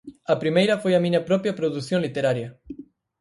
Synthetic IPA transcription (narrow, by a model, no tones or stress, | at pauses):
ɐpɾimejɾɐfojɐmĩɲɐpɾɔpjɐpɾoðuθjõŋlit̪eɾaɾjɐ